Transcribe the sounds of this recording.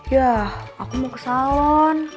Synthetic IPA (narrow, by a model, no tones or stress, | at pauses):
jaakumokəsalɔn